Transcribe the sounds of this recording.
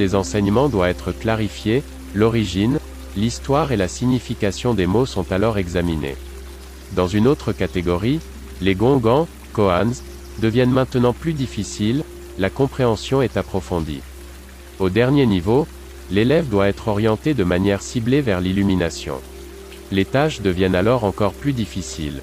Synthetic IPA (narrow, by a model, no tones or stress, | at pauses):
ezɑ̃sɛɲəmɑ̃d̪waɛt̪χəklaʁifje | lɔʁiʒin | list̪waʁelasiɲifikasjɔ̃d̪emosɔ̃t̪alɔʁɛɡzaminḛ | d̪ɑ̃zynot̪χəkat̪eɡɔʁi | leɡɔ̃ɡɑ̃ | kɔanz | d̪əvjɛnmɛ̃t̪nɑ̃plyd̪ifisilː | akɔ̃pχeɑ̃sjɔ̃ɛt̪apχɔfɔ̃d̪ḭ | od̪ɛʁnjenivo | lelɛvd̪waɛt̪χɔʁjɑ̃t̪ed̪əmanjɛʁsiblevɛʁlilyminasjɔ̰̃ | let̪aʃd̪əvjɛnalɔʁɑ̃kɔʁplyd̪ifisḭl